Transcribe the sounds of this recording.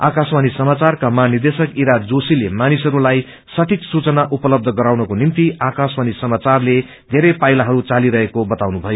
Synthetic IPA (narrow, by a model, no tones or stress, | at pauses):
a̰kaswanisʌmat͡sarkamanird̪esʌkiɾad͡zosilemanisʌɾulaj | sʌʈʰiksut͡sʌnaʔupʌlʌb̚d̪ʱʌɡʌɾawnʌkonint̪iakaswanisʌmat͡sarle | d̪ʱeɾʌjpajlaɦʌɾut͡saliɾʌɦekobʌt̪awnubʱʌjo